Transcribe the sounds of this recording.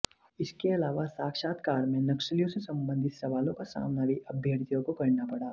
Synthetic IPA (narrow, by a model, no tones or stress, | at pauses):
ɪskeɐlaːʋasaːkʃaːt̪kaːɾmẽnɐkʃəlijõsesɐ̃mbə̃nd̪ʱɪt̪sɐʋaːlõkasa̰ːmnaːʋiʔɐbʱjəɽt̪ijõkokɐɾnapɐɽaː